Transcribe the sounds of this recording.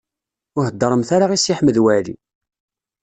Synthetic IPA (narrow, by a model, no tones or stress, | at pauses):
ʊɦəd̪ːəɾˤəmθaɾaʁisiħməðwælḭ